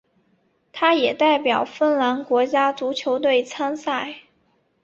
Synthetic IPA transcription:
t̪ʰa˥jɛ˨˩t̪a˥˩ɪpjɑ˨˩ʊfə˥˩nla˧˥nkwɔ˧˥t͡ɕja˥t͡su˧˥t͡ɕʰjo˧˥ʊt̪̬we˥˩ɪt͡sʰa˥nsa˥˩ɪ

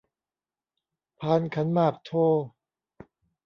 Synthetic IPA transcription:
pʰaː˧˩˨nkʰa˦˥nmaː˥˩k̚t̪ʰoː˥˩

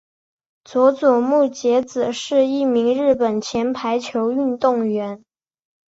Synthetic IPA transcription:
t͡swɔ˧˥t͡swɔ˨˩mu˥˩t͡ɕjɛ˧˥t͡sɹ̩˨˩ʂɻ̩˥˧i˥˩mi˧˥ŋɻɻ̩˥˩pə˨˩nt͡ɕʰjɛ˧˥npʰa˧˥ɪt͡ɕʰjo˧˥ʊy˥˧nt̪ʊ˥˩ŋɥɛ˧˥n

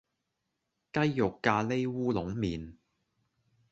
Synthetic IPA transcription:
kɐ˥jːʊ˨kːaː˧le˥jwuː˥lʊ˨˥ŋmiː˨˩n

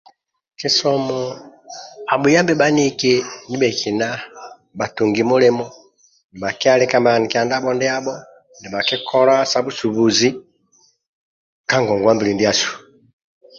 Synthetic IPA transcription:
ki˨sɔ˨mɔ˨ | a˨bu˨ja˦mbɛ˦ba˦ni˦ke˦ni˦bɛ˨kʰi˨na˦ | ba˨tu˨ŋɡi˨mu˦lɛ˦mɔ˦ | ndi˨ba˨kɛ˦a˦lɛ˦ka˦mba˨ni˨ki˨a˨nda˦bɔ˦ndɛ˦a˦bɔ˦ | ndɛ˨ba˨kɛ˦kʰɔ˦la˦sa˦bu˦su˨bu˨zi˦ | ka˦ŋɡɔ˨ŋɡwa˦mbi˨li˨ndi˦a˦su̥˨

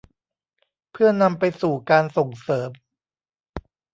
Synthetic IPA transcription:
pʰɯ˥˩ɐna˧mpa˧jsuː˨˩kaː˧nso˨˩ŋsɤː˩˦m

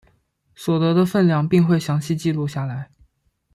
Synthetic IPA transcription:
swɔ˨˩t̪ɤ˧˥d̪ə˧fə˥˧nljɑ˥˩ŋpi˥˧ŋxwe˥˩ɪɕjɑ˧˥ŋɕi˥˧t͡ɕi˥˧lu˥˧ɕja˥˩la˧˥ɪ

